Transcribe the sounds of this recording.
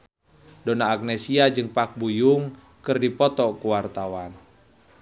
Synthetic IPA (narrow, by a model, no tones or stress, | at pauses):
dɔnaːɡ̚nɛsiad͡ʒɨŋpak̚bujuŋ | kɨrdipɔt̪ɔkuwart̪awan